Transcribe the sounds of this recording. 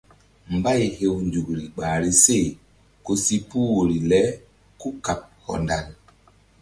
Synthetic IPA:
m̩˨ba˦jhe˨wnd͡ʒu˨kɾi˨ɡ͡ba˨ɾi˨se˦˨ | ko˨si˦pu˦wo˨ɾi˨lɛ˨˦ | ku˦ka˨p̚hɔ̰˨nda˨n

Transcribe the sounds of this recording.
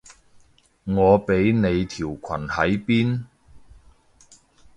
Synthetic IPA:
ŋɔː˨˧pe˨˥jne˨˧jt̪ʰiː˨˩wkʰɐ˨˩nhɐ˨˥jpiː˥n

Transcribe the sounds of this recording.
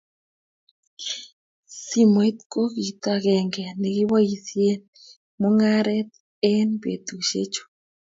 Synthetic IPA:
si˦mo˨ɛ˦t̪ko˦ɣi˨t̪a˨ɣɛ˨ŋɡɛ˨ne˨ɣi˦wa˦i˨sje˦n | mo˦ŋa˦ɾɛ˦t̪̚ | ɛ˦nbḛ˨t̪u˨ʃḛ˦t͡ʃo̥˨

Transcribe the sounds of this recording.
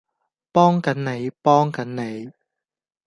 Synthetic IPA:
pɔː˥ŋkɐ˨˥nne˨˧jpɔː˥ŋkɐ˨˥nne˨˧j

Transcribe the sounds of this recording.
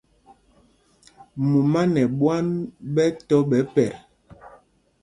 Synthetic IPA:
mu˨ma˦nɛ˨ɓwa˦nɓɛ˦tɔ˦ɓɛ˨˦pɛ˨ɾ

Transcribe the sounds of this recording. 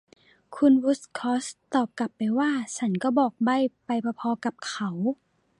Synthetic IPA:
kʰu˧nwu˧˦˥skʰɔː˦˥st̪ɔː˨˩p̚ka˨˩pːa˨jwaː˥˩t͡ɕʰa˧˦˥nkɔː˥˩bɔː˨˩k̚ba˧˥˨jpa˧jpʰɔː˧pʰɔː˧ka˧˦p̚kʰa˨˦w

